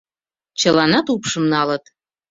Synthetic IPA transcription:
t͡ɕə̆lɑnɑt̪upʃə̆mnɑlɤt̪

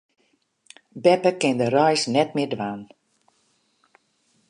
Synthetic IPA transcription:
bɛpəkɪndəɾœjsnɛt̚mɪdʋaːn

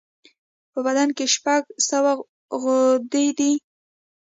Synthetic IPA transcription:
pəbad̪ankeʃpaɡsəwa | ɣʊd̪ed̪i

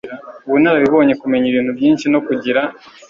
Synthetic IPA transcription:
βunaɾaβiβo̞ːɲe̞kume̞ɲiβiːn̥hubjiːnʃino̞kuɟiɾa

